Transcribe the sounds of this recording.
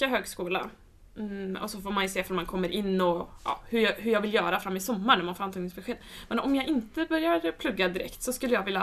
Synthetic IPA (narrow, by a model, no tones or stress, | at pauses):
aɦøːɡskuːla̰ | ɔ̰sɔfoːɾmanjəseːfɔɾmankʰɔmːəɾʔɪnːɔjʔɑ̰ːhɵjhɵɾjɑɡvɪljœːɾafɾamːɪsɔmːaɾɳæɾmanfoːɾant̪ʰɑːɡnɪŋsbɛɧeːd̪mɛnɔmjɑːɡɪnt̪əbœɾjaɾpʰlɵɡːad̪ɪɾɛ̰kt̪sɔskɵlːəjɑːɡvɪlja